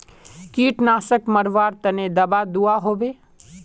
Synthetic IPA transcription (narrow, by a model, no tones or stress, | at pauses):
kiːʈnaːsəkməɾʋaːɾt̪əned̪ɐbad̪uaɦoːbeː